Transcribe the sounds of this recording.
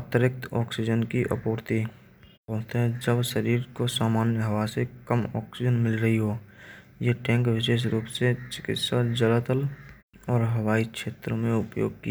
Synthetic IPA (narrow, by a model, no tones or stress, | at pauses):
ət̪əɾɪk̚t̪ɔːksɪd͡ʒənkiʔə̰poːɾt̪i | pɔ̃ːt̪ɦɛ̃d͡ʒəbʃəɾiːɾkosaːmaːnjəɦɐʋasekəmɔ̰ːksɪd͡ʒənmɪlɾəɦiɦo | jeʈɛ̃ːŋkʋɪʃ̬eːʃ̬ɾuːpset͡ʃɪ̥kɪ̰t̪sad͡ʒələt̪əl | ɔːɾɦəʋaːikʃeːt̪ɾmẽʊpjo̰ːɡ̚kia